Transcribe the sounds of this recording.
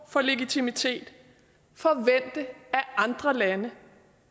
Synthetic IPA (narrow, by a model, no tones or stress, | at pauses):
fɒ̽le̝ɡ̥it͡sʰimit͡sʰe̝̰ːd̥ | fɒ̽ʋen̰d̥əæɑ̈nd̥ʁɐlænə